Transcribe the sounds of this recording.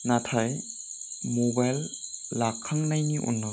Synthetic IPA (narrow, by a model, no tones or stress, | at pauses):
natʰaj | mobajlːakʰːaŋnajniʔṵnːɯ